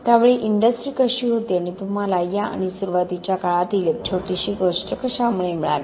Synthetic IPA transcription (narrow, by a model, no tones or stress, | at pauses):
t̪jaʋeɭeʔiɳɖəsʈɾiːkəɕiɦot̪iañib̪umalajaa̰ɽ̃isuɾuʋat̪it͡ɕjakaɭat̪ilet͡ɕʰoʈiɕiːɡosʈəkəɕamuɭemiɭa̰le